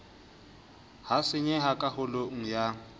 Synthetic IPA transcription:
hasɪɲɛɦakʼahʊloŋ̩ja

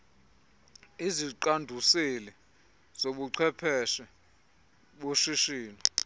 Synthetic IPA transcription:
iziǃandʱusilɛ | z̥oɓuǀʰwɛpʰɛʃɛ | ɓoʃiʃiːnɔ

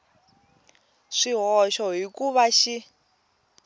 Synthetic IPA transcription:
ʂiɦɔʃɔɦikuβaʃi

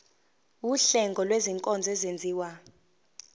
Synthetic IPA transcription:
wuɬɛŋɡʱɔlweziŋkʼɔnd͡zʱɛzend͡zʱiːwa

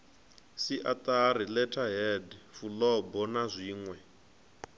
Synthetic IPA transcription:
siʔat̪ʼarilɛtʰaɦɛdifulɔbɔnazʷiːŋwɛ

